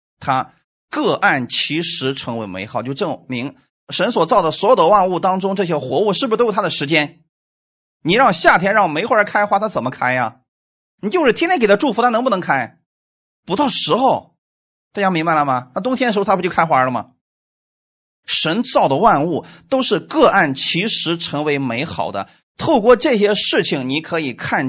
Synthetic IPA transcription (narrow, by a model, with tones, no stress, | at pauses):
t̪ʰa˥ | kɤ˥˧ʔa˥˩nt͡ɕʰi˧˥ʂɻ̩˧˥ʈ͡ʂʰɤ˧˥ŋwe˧˥ɪmḛ˧˥ɪxɑ˨˩ʊt͡ɕo˥˧˩ʈ͡ʂɤ˥˩mi˧˥ŋ | ʂə˧˥nswɔ˨˩t͡sɑ˥˩ʊd̪ə˩swɔ˧˥jd̪ə˦˥wa˥˧nu˥˩t̪ɑ˥ŋʈ͡ʂʊ˥ŋʈ͡ʂɤ˥˩ɕ̬jɛ˥xwɔ˧˥u˥˧ʂɻ̩˥˩b̩˨˩˧to˥˩˥a˥ə˩ʂɻ̩˧˥t͡ɕjɛ˥n | ni˨˩ɻɑ˥˧ŋɕja˥˩t̪ʰjɛ˥nɻɑ˥˩ŋme˧˥ɪxwə˞˧˥kʰa˥ɪxwa˧˥t̪ʰa˥t͡sə˨˩mə˦kʰa˥ɪjɐ˩ | ni˨˩t͡ɕjo˥˧ʂɻ̩ʰ˥˩˥nɛ˥ke˩˥ʈ͡ʂu˥˩fu˧˥t̪ʰa˥nɤ˧˥ŋpu˥˩nɤ˧˥ŋkʰa˥ɪ | pu˧˥t̪ɑ˥˩ʊʂɻ̩˧˥xo˥˩ʊ | t̪a˥˩t͡ɕja˥ŋmi˧˥ŋba˧lə˨˩mɐ˩nʰa˥˩t̪ʊ˥ŋt̪ʰjnə˧˥˧t̪ʰa˥˧˥t͡ɕo˥˩kʰa˥xwa˧˥lə˧mɐ̰˩ | ʂə˧˥nt͡sɑ˥˩ʊd̪ə˩wa˥˧nu˥˩t̪o˥ʊʂɻ̩˥˧kɤ˥˧ʔa˥˩nt͡ɕʰi˧˥ʂɻ̩˧˥ʈ͡ʂʰɤ˧˥ŋwe˧˥ɪme˧˥ɪxɑ̰˨˩ʊd̪ə̰˦ | t̪ʰo˥˧ʊkwɔ˥˧ʈ͡ʂɤ˥˩ɕjɛ˥ʂɻ̩˥˩t͡ɕʰi˨˩ŋni˧˥kʰɤ˧˥i˨˩kʰa˥˩n